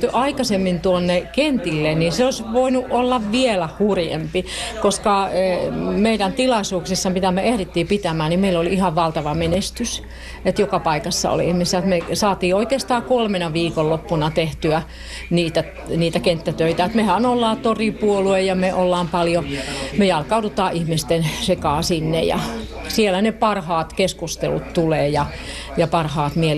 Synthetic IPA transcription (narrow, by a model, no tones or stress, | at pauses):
ʔɑikɑsemːint̪uonːekent̪ilːenniseoisʋoinuʔʔolːɑʋʋielæhurjḛmpikoskɑ | meiɾænt̪ilɑisuːksisːɑpit̪æmːeʔehrit̪ːiːpit̪æmæːnimeilolihɑʋʋɑlt̪ɑʋɑmenest̪ys | et̪jokɑpɑikɑsːɑ̰o̰liihmisæt̪mesɑːt̪iːoikeːst̪ɑːkolmenɑʋiːkollopːunɑt̪eht̪yæ | niːt̪æ | niːt̪ækent̪ːæt̪øit̪æet̪mehænolːɑːt̪oripuoluejɑmeʔolːɑːmpɑljomejɑlkɑudut̪ɑːʔihmist̪ensekɑːsinːḛjɑ̰ | sielænepɑrhɑːt̪keskust̪elṵt̪t̪uleːjɑ | jɑpɑrhɑːt̪mie